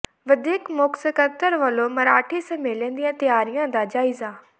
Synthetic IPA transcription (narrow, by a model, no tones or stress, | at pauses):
ʋəd̪eːkmʊksəkəɾt̪əɾʋəlomɐɾaːʈʰesəmeːlẽːnd̪ijãːt̪ɪjaːɾɪjãːd̪aːd͡ʒaːɪzãː